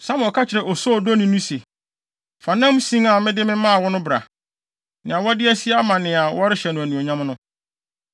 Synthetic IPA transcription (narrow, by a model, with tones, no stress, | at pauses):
sã˦m˨ɔ˨kʰa˦t͡ɕʰɪ˨ɾɛ˨ʔɔ˨sɔ˦˨dɔ˦nĩ˦nũ˦se˨ | fa˨nã˦m˦sĩ˦ŋa˨mɪ̃˦dɪ˦mɪ̃˦mã˦a˨wɔ˦nʊ̃˦bɾa̰˨ | nɪ̃˨a˨wɔ˦dɪ˦æ˦si˦a˦mã˨nɪ̃˨a˨wɔ˦ɾɪ˦ɕɛ˨nʊ̃˨æ˨nũ˨ɔ˨ɲã˦mnʊ̃˦